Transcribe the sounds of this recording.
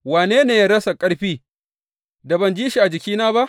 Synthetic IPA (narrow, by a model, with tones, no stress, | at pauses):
waː˨neː˦neː˨jaː˦ɽɐ˦sa˨kʼɐ˦ɽɸiː˦ | da˨bɐ˨nd͡ʒiː˦ʃi˨ʔa˨d͡ʒɪ˨kʲiː˦naː˦ba˦ʔ